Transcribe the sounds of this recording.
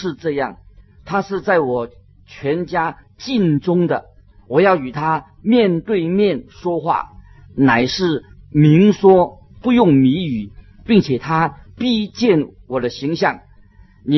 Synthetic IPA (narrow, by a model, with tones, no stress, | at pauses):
ʂɻ̩˥˧ʈ͡ʂɤ˥˧jɑ̰˥˩ŋt̪ʰa˥ʂɻ̩˥˧t͡sa˥˩ɪwɔ˨˩ | t͡ɕʰɥɛ˧˥nt͡ɕja˥ | t͡ɕi˥˩nʈ͡ʂʊ˥ŋd̪ə̰˨˩ | wɔ˨˩jɑ˥˩ʊy˨˩t̪ʰa˥ | mjɛ˥˧nt̪we˥˧ɪmjɛ˥˨nʂwɔ˥xwa̰˥˩ | na˨˩ɪʂɻ̩˥˩ | mi˧˥ŋʂwɔ˥ | pu˥˧jʊ˥˩ŋmi˧˥y˨˩ | pi˥˩ŋt͡ɕʰjɛ˨˩t̪ʰa˥pi˥˧t͡ɕjɛ˥˩nwɔ˨˩d̪ə˦ɕi˧˥ŋɕjɑ˥˩ŋ | ni˨˩